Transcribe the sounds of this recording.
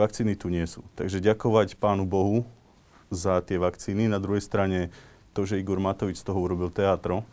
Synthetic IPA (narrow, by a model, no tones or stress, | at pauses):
ʋak̚t͡siːnit̪uɲɪɛsṵːt̪a̰ɡʒɛɟakɔʋacpaːnubɔɦu | zat̪ɪɛʋakt͡siːninad̪ɾuɦɛjst̪ɾaɲɛ | t̪ɔʒɛiɡɔɾmat̪ɔʋit͡ʃst̪ɔɦɔuɾɔbilt̪ɛaːt̪ɾɔ